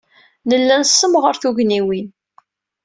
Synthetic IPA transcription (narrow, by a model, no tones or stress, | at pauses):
nəlːænsːəmʁəɾθuʝniwin